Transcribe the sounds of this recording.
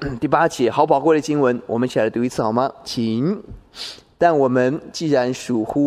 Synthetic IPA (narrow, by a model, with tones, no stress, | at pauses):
t̪i˥˩pa˥t͡ɕjɛ˧˥xɑ˨˧˥ʊp̬ɑ˨˩ʊkwe˥˩ɪd̪ə˩t͡ɕi˥ŋwə˧˥nwɔ˨˩mə˦nt͡ɕʰi˨˩a˧˥˩t̪u˧˥i˧˥t͡s̩ʰ˥˩ɑ˨˩ʊmɐ˧t͡ɕʰi˧˩˦ŋ | t̪a˥˩nwɔ˨˩mə˦˥nt͡ɕi˥˩ɻa˧˥nʂu˨˩xu˥